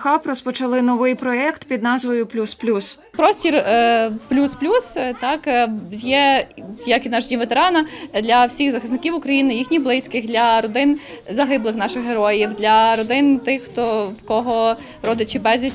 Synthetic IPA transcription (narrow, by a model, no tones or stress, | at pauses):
xɑprɔspɔt͡ʃɐlˠɪnɔʋɪjpɾɔɛkt̪pʲid̪nɑzʋɔjʊplʲusplʲus | pɾɔsʲtʲirplʲusplʲust̪ɑkjɛjɐkid̪nɑʒdʲimʋet̪eɾɑnɐd̪lʲɐwsʲixzɐxɐsnɪkʲiwʊkɾɐjinɪjixnʲijblˠɪsʲkɪxd̪lʲɐɾɔd̪ɪnzɐɦɪblˠɪxnɑʃɪxɦeɾɔjiwd̪lʲɐɾɔd̪ɪnt̪ɪxːt̪ɔwkɔɦɔ | ɾɔd̪ɪt͡ʃɪbɛzʲʋʲisʲ